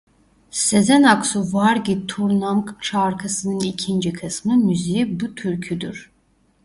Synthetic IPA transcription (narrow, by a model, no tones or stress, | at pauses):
sezɛnaksuvaɾɡit̪ʰuɾnaŋkt͡ʃaɾkʰasɯnɯnicʰind͡ʒikʰɯsmɯmyzejibut̪ʰyɾcʰyd̪yɾ̥